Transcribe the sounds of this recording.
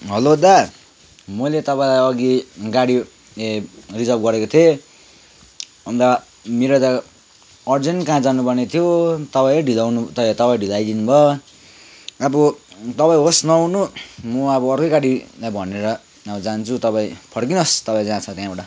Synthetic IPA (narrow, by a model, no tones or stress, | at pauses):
ɦʌlod̪a | mʌjlet̪ʌpaĩlajʌɡiɡaɽi | erid͡zʌrb̚ɡʌɾekot̪ʰe | ʌnd̪a | meɾot̪a | ʌrd͡zenkãd͡zanupʌrnet̪ʰijot̪ʌpaĩʌɖʱilawnut̪ʌt̪ʌpaĩɖʱilajd̪inubʱʌ | abʌt̪ʌpaĩɦosnʌwnumuabʌːrkojɡaɽilajbʱʌneɾʌ | abʌd͡zant͡sʰut̪ʌpãĩpʰʌrkinʌst̪ʌpaĩd͡zãt͡sʰʌ̃t̪jãbaʈa